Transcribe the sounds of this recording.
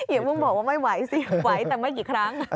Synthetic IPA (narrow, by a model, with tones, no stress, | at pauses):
ji˨˩˦mɨ˧˥ŋɓoː˨˩wa˧˩ma˦˥jwa˧˩˦jsi˧˦˩wa˨˩˦jt̪ɛː˨˩ma˨˦jt͡ɕi˧˩kʰɾaː˧˦˥ŋ˧˦